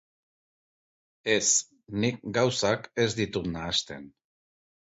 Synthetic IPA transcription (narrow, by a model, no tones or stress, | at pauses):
e̞s | nik̚ɡawsake̞zd̪it̪ut̪naːst̪e̞̰n